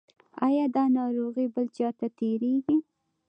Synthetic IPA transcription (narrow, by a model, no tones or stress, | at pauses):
ɑjɑd̪ɑnɑɾoɣibəlt͡ʃɑt̪at̪eɾeɡi